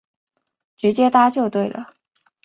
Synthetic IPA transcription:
ʈ͡ʂɻ̩˧˥t͡ɕjɛ˥t̪a˥t͡ɕjo˥˧ʊt̪we˥˩ɪlə̰˩

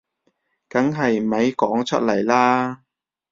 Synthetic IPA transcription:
kɐ˨˥ŋɦɐ˨jmɐ˨˥jkɔː˨˥ŋt͡ʃʰɵ˥t̚lɐ˨˩jlaː˥

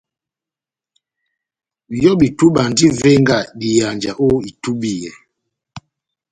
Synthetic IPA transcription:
jɔ˦ɓi˨tu˦ɓa˨ndi˦vɛ˦ŋɡa˨ɗi˨ja˨nd͡ʒa˨ʔo˦i˨tu˦ɓi˦˨jɛ˨

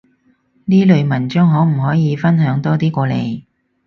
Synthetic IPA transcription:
niː˥lɵ˨˧ɥmɐ˨˩nt͡ʃʊ˥ŋɦɔː˨˥m̩˨˩hɔː˨˥jiː˨˧fɐ˥nɦœː˨˥ŋt̪ɔː˥t̪iː˥kʷɔː˧lḛ˨˧j

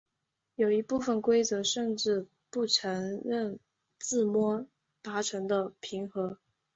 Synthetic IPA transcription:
jo˨˩ʊi˧˥pu˥˩fə˨˩nkwe˥ɪt͡sɤ˧˥ʂə˥˧nʈ͡ʂɻ̩˥˧ | pu˥˩ʈ͡ʂʰɤ˧˥ŋɻə˥˧n | t͡sɹ̩˥˩mwɔ˥ | t̪a˧˥ʈ͡ʂʰɤ˧˥ŋd̪ə˧pʰi˧˥ŋxɤ˧˥

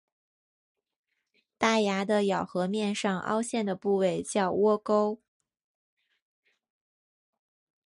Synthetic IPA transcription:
t̪a˥˩ja˧˥d̪ə˧jɑ˨˩ʊxɤ˧˥mjɛ˥˧nʂɑ˥˧ŋʔɑ̰˥ʊɕjɛ˥˩nd̪ə˩pu˥˧we˥˩ɪt͡ɕjɑ˥˩ʊwɔ˥ko˥ʊ

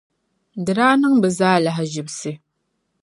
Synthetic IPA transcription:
dɨ˨ɾaː˦nɨ˦ŋbɨ˨zaː˦la˦ɦɪ˨ʒɪ˨bsɨ˨

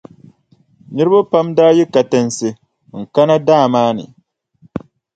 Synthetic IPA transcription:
nɨ˦ɾɨ˦ba˦pa˦mdaː˦ji˦ka˨tɨ˨nsɨ˨ | ŋ̩˨ka˦na˦daː˦˨maː˦nɨ̰˨

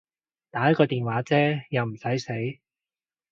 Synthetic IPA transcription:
t̪aː˨˥jɐ˥t̚kɔː˧t̪iː˨nwaː˨˥t͡sɛː˥jɐ˨˧wm̩˨˩sɐ˨˥jse˨˥j

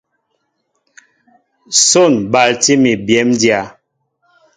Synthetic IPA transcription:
so˦˨nba˨lti˦mi˨bjɛ˨˦mdja˨˦

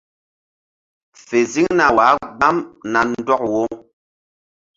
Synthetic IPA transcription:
fe˨zi˦ŋna˨wa˨˦ɡ͡ba˦mna˨n̩˦dɔ˦k̚wo˦

